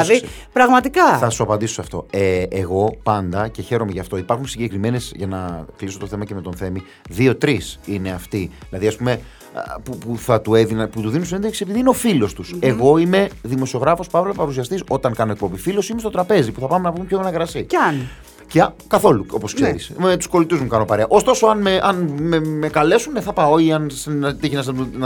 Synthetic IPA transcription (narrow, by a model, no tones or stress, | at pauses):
ði | pɾɐɣmɐt̪ikɐθɐsuɐpɐnd̪isosɐft̪o̞̰eːɣo̞pɐnd̪ɐce̞çe̞ɾo̞me̞ʝɐft̪o̞ipɐɾxunsiɲɟe̞kɾimene̞zʝɐnɐkliso̞t̪oθe̞mɐceme̞t̪o̞nθe̞mi | ðio̞t̪ɾisine̞ɐft̪iðilɐðiɐspume | pupuθɐt̪ueðinɐput̪uðinunsiend̪eksisepiðineo̞filo̞st̪useɣo̞ime̞ðimo̞sio̞ɣɾɐfo̞spɐvlopɐɾus̬iɐst̪iso̞t̪ɐŋkɐnoek̚pobifilo̞simestot̪ɾɐpe̞zipuθɐpɐmenɐpumpçonɐɣɾɐsian | cekɐθo̞luo̞̰poskseɾḭsmet̪u̥sko̞lit̪uzmukɐno̞pɐɾeɐʔo̞st̪o̞soɐnmeʔɐnmemekɐle̞sunːeθɐpɐo̞iɐnsnɐt̪içinɐznɐt̪u